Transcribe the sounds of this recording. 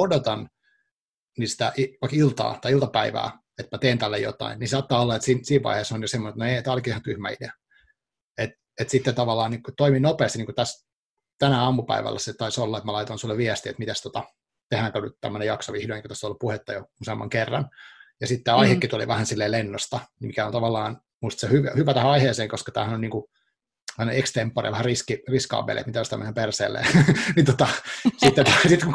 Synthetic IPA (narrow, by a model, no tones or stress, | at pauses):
odot̪ɑn | nist̪æʔiʋɑikilt̪ɑ̰ːt̪ɑiilt̪ɑpæiʋæ̰ː | et̪mæt̪eːnt̪ælːejo̰t̪ɑ̰innisɑːt̪ːɑːolːɑet̪sinsiːʋʋɑ̰iheːsonjosemːoset̪noet̪æːolkiehɑnt̪yhmæ̰ḭdeæ | et̪ | et̪sit̪ːet̪ɑʋɑlːɑːnikut̪oiminopeːst̪iniːŋkut̪æs | t̪ænæɑmːupæ̰iʋæ̰lːæset̪ɑisolːɑet̪mælɑit̪onsulːeʋʋiɛst̪iḛt̪mit̪æst̪ot̪ɑ | t̪ehæːŋkonyt̪t̪æ̰mːønejɑksoʋihdoniŋku̥t̪æsːoolːupuhet̪ːɑjousemːɑ̰ŋkerːɑ̰njɑsit̪ːæːɑihekːit̪ulḭʋæhænsilːeːlenːost̪ɑmikæont̪ɑʋɑlːɑːn | muist̪sehyʋhyʋæt̪æhæɑiheːseːŋkoskɑ̥t̪æ̰ːhænonniːŋku | ʋæhneekst̪empːɑrḭʋæhæriskiriskɑ̰ʋːḛlʔḛt̪mit̪æjost̪ɑmːenempersḛːlːḛːnit̪ot̪ɑsit̪ːet̪sit̪ku